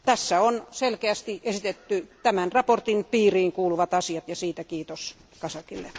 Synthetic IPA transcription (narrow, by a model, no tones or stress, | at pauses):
t̪æsːæonselkeæst̪iʔesit̪et̪ːyt̪æmænrɑport̪inpiːriːŋkuːluʋɑt̪ɑsiɑt̪jɑsiːt̪ækiːt̪os | kɑsɑkilːe